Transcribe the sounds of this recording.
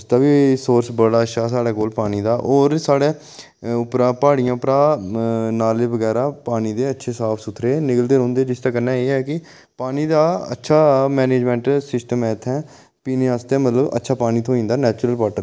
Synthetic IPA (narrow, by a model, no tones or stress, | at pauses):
st̪aːʋiːsoːɾsbəɽaːəʃaːs̬aːɽaːkoːlpaːniːd̪aːʔoːɾsaːɽeː | ʊpɾãːpaːɽɪjãːʊpɾãː | naːleːʋəɡɛːɾaːpaːniːd̪eːətːʃʰeːsaːpʰsʊt̪ʰːɾeːnɪkəld̪eːɾɔ̃ːnd̪eːd͡ʒɪst̪aːkənːãːeːɦɛːkɪ | paːniːd̪aːə̰tːʃʰaːmɛːneːd͡ʒmɛ̃ːɳʈsɪsʈəmɛːt̪ʰːɛ̃ː | piːneːaːst̪eɛ̃ːmət̪ləbə̰tːʃʰaːpaːniːt̪ʰoːĩːnd̪aːnɛːt͡ʃɾəlpaːʈəɾ